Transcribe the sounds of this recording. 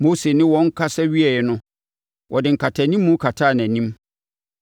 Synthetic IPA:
mo˦se˨nɪ̃˦wɔ̃˨˦ŋ̩˦kʰa˦sɛ˦ɥi˦ɛ˨jɛ˨nʊ̃˦ | wʔɔ˨dɪ˨ŋ̩˨kʰa˨tʰa˨nĩ˦mːũ˦kʰa˨tʰaː˦˨næ̃˨nĩ˦m

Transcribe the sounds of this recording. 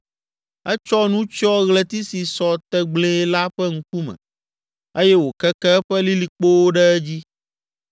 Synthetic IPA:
ɛ˦t͡ʃɔ˦nũ˦t͡ʃɔ˦ɣlɛ˨t̪i˦si˨sɔ˨t̪ɛ˨ɡ͡ble˦la˦ɸɛ˦ŋ̩˦ku˦mɛ̰̃˨ | e˦jɛ˦wo˨kɛ˦kɛ˦ɸɛ˦li˦li˨k͡po˦wo˦ɖɛ˦ɛ˦d͡ʑi˦

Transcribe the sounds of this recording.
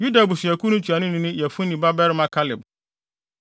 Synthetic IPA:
ju˦da˨bu˨sɥæ˨kʰu˦nʊ̃˦t͡ɕʰu˨a˨nʊ̃˦nʊ̃˦nʊ̃˦jɛ˨fũ˦nĩ˨ba˦bɛ˦ɾmã˦kʰa˦lɪ˨b

